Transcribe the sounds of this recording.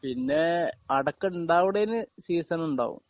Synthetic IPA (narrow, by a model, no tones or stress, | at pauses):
pinːe̞ɐɽɐkːɐɳɖaːʋiɽejinːɨsiːsɐnuɳɖa̰ːʋṵm